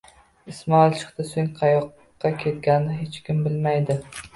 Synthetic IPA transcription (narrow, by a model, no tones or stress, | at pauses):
ɪsmɒɪlˠt͡ʃʰɨ̥χt̪ɪsoŋqʰɑjɒqː | ɑkʲʰe̞t̪̚ɡʲannɪɦet͡ʃkʲɪmbɪlmajd̪ɪ